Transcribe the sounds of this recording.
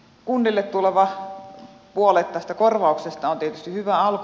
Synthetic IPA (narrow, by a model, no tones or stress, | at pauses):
kunːilːet̪t̪uleʋɑ | puolet̪ːɑst̪ækorʋɑˑuksest̪ɑont̪iet̪yst̪ihyʋæɑlk